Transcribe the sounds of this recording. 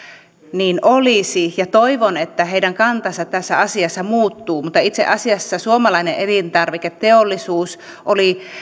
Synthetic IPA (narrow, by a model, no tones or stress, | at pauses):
niːnʔolisijɑt̪oiʋonet̪ːæɦeiɾæŋkɑnt̪ɑsɑt̪t̪æsːæɑsiɑsːɑmuːt̪ːuːmut̪ːɑit̪seʔɑsiɑsːɑsuomɑlɑineʔelint̪ɑrʋiket̪tːeolːisuːs | ʔoli